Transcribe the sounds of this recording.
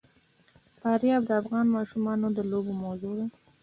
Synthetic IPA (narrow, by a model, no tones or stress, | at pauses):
fɑɾjɑbd̪əafɣɑnmɑʃumɑnod̪əlobomazod̪a